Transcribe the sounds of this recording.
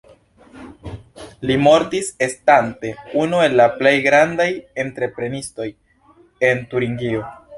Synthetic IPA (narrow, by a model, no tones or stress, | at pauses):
limo̞ɾtise̞stante̞unue̞lːaple̞jɡɾandaje̞ntɾe̞pɾe̞nisto̞j | e̞ntuɾiŋɡio̞